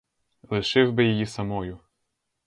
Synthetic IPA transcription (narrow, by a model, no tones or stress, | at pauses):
lˠɪʃɪwbɪjejisɐmɔjʊ